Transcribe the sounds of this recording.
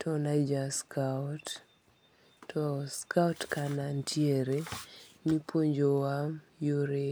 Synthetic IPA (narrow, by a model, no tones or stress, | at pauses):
tʰɔnad͡ʒaskʰat | tɔskawtkanantʰjeɾemipwoɲd͡ʒowamjoɾe